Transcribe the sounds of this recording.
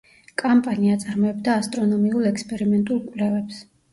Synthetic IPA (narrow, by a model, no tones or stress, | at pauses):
kʼampʼaniat̪sʼaɾmɔɛbd̪aːst̪ʼɾɔnɔmiulˠɛkspʼɛɾimɛnt̪ʼulˠkʼwlɛvɛps